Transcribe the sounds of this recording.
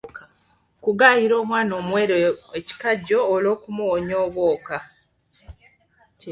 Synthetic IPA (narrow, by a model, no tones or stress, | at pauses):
kuɡaːjiɾo̞ːmwaːno̞ːmwe̞ːɾoeci̥kaɟːoːlo̞ːkumuwoɲoːβwoːka